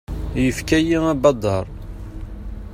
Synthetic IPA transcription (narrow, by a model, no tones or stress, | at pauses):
jəfkæjimæbɑd̪ˤːɑɾˤ